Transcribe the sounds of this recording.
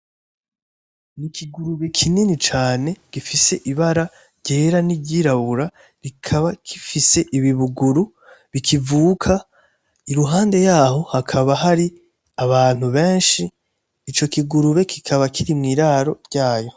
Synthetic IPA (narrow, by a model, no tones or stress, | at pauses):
nikiɡuɾuβe̞kʰininit͡ʃaːne̞ɡ̥ifise̞ʔiβaɾa | ɾɟe̞ːɾanibɟiɾaβuɾa | ɾikʰaβakʰifise̞ʔiβiβuɡuɾu | βikʰivuːkʰa | iɾuɦaːnde̞jaːɦo̞hakʰaβaɦaɾi | aβaːn̥huβe̞ːnʃiː | t͡ʃo̞kiɡuɾuβe̞kʰikʰaβakʰiɾimŋiːɾaːɾo̞ɾɟaːjo̞